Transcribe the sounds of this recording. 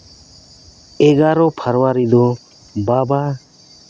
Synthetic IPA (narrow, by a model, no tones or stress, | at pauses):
ɛɡaɾɔpʰəɾwaɾid̪ɔ | baba